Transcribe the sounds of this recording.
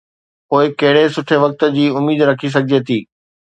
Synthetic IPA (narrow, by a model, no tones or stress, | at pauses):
poːɪkɐɦɪɽesʊʈʰeʋɐk̚t̪d͡ʑiːʊmiːd̪ɾɐkʰis̬ɐɡʱɪd͡ʑet̪ʰiː